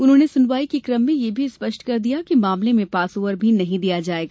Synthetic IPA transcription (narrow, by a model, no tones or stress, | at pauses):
ʊnɦõːnesʊnʋaːikikɾɐmːĩjebʱispɐʃʈkɐɾd̪ijakimãːmlemẽpaːsoːʋəɾbʱinɐɦĩd̪ijad͡ʒaːeːɡaː